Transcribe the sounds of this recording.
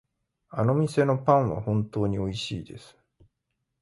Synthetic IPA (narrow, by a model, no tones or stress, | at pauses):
ano̞mʲise̞no̞pãɰ̃βa̰hõ̞nt̪o̞ːɲ̟io̞iɕiːd̪e̞sɨ̥